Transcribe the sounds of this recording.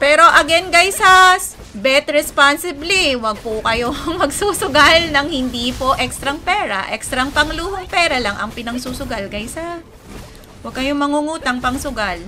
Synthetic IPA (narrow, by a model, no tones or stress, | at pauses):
pɛːɾo̞ʔɐɡɛnɡajsas | bɛt̪ɹɛspansɪbliwɐɡ̚pʊkɐjo̞mɐɡsusʊɡalnɐŋhɪnd̪ipo̞ʔɛkst̪ɾɐŋpɛːɾɐʔɛkst̪ɾɐŋpɐŋluːhoŋpɛːɾɐlaŋɐŋpɪnɐŋsusʊɡalɡajsa | wɐɡ̚kɐjomɐŋuŋuːt̪ɐŋpɐŋsʊɡal